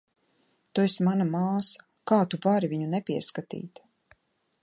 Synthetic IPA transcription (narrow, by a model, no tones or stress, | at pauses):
t̪uɛsmanamaːsḁ | kaːt̪uvaɾivʲiɲunɛpʲiɛskat̪ḭːt̪